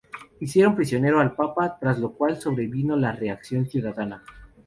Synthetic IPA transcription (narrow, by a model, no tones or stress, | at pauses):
isje̞ɾo̞mpɾisjo̞ne̞ɾoalpapat̪ɾazlo̞kwalso̞βɾe̞βino̞lare̞aksjo̞nsjuðaðana